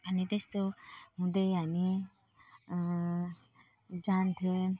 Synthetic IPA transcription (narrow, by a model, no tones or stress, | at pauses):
anit̪est̪oɦũd̪eani | d͡ʒant̪ʰe